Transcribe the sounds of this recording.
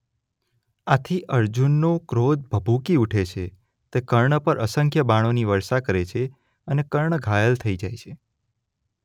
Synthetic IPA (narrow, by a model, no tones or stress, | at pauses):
at̪ʰiʔəɾd͡ʒunːokɾod̪̚bʱəbʱukiuʈʰet͡ʃʰe | t̪ekəɾɳəpəɾʔəsəŋkʰjəbaɽ̃oniʋəɾʃakəɾet͡ʃʰe | ənekəɾɳəɡʱajəlt̪ʰəid͡ʒajt͡ʃʰe